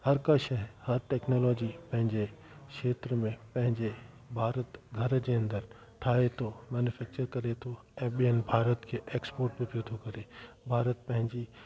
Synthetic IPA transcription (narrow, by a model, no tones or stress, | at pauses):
hɐɾkaʃɛɦhɐɾʈɛːknoːlɔːd͡ʒipɐ̃ɦɪ̃ɲd͡ʒe | ʃʃeːt̪ɾəmẽpɐ̃ɦɪ̃ɲd͡ʒe | bʱaːɾət̪ɡʱɐɾd͡ʒeə̃nd̪əɾ | t̪ʰaːet̪ʰomɛːnjʊfʰɛːk̚t͡ʃəɾkɐɾet̪ʰo | ɛ̃ːɓienbʱaːɾət̪kʰeʔeːkspoːɾʈ̚bet̪ʰot̪ʰokɐɾebʱaːɾət̪̚pɐ̃ɦɪ̃ɲd͡ʒi